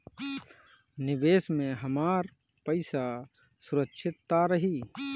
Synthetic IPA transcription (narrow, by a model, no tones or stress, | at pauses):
nɪʋeːsmẽɦəmaːɾ | pəɪsasʊɾəkʃʰɪt̪ːaɾəɦiː